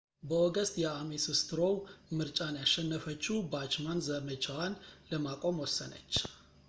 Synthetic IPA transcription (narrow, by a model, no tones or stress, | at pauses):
bəoɡəst̪ʼjɛamesɨst̪ʰɨɾo̞wmɨɾt͡ʃʼanjaʃːɛnːəfət͡ʃːuwbat͡ʃmanzəmət͡ʃʰawanləmakʼo̞mwɔsːənə̰t͡ʃː